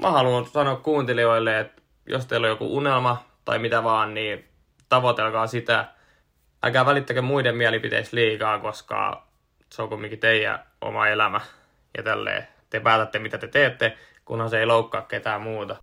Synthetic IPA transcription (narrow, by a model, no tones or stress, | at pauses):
mʔæhɑlunsɑnoːkkuːnt̪elioilːeet̪ | jo̰st̪eilojokṵʔunelmɑt̪ɑ̰imit̪æʋɑːnniː | t̪ɑʋot̪elkɑːsit̪æ | ʔæ̰kæːʋælit̪ːækømuidemmiælipit̪ḛisliːkɑːkoskɑ̰ | seokumːiŋkit̪eijæ̰ʔo̰mɑ̰elæmæ | jɑ̰t̪ælːḛː | t̪epæːt̪æt̪ːemit̪æt̪et̪eːt̪ːe | kunhɑseiloukːɑːkket̪æːmmuːt̪ɑ